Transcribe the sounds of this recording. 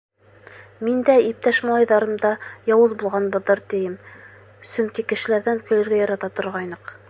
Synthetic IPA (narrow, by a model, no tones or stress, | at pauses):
mind̪æip̚t̪æʃmɑlˠɑjðɑɾɤ̆md̪ɑjɑwɤzbulˠʁɑnbɤ̆ðːɤɾt̪ɘ̆jɘm | sɵŋkikɘ̆ʃɘ̆læɾðæŋkɵ̆lɘ̆ɾɡæjɑɾɑt̪ɑt̪ŏɾʁɑjnɤq